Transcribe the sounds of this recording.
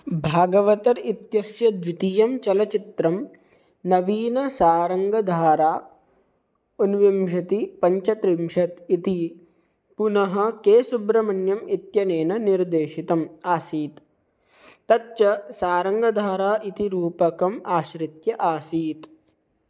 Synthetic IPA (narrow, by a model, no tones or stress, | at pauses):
bʱaːɡɐʋɐt̪ɐɾit̪jɐsjɐd̪ʋit̪ijɐmt͡ʃɐlɐt͡ʃit̪ɾɐm | nɐʋiːnɐsaːɾɐŋɡɐd̪ʱaːɾaː | unʋimʒɐt̪ipɐɲt͡ʃɐt̪ɾimʃɐt̪it̪i | punɐɦɐkeːsubɾɐmɐnjɐmit̪jɐneːnɐniɾd̪eːʃit̪ɐmaːsiːt̪ː | ɐt̪t͡ʃɐsaːɾɐŋɡɐd̪ʱaːɾaːʔit̪iɾuːpɐkɐmaːʃɾit̪jɐʔaːsiːt̪